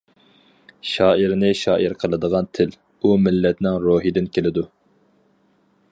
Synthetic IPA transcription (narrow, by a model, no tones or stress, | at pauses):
ʃɑːiɾnɪʃɑːʔiɾqʰəlˠɨd̪əʁɑnt̪ʰɪl | umɪlːɛt̪nɪŋɾoːɦid̪ɪnkʲelɪd̪u